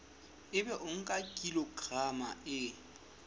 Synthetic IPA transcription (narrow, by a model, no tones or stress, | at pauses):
ɪbɛʔʊŋ̩kʼakʼilɔɡrama̰ʔɪ